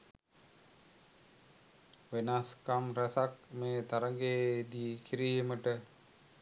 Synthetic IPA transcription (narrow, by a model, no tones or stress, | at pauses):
ʋenaskamɾæsak̚meːt̪aɾəŋɡeːd̪iːkiɾijəməʈə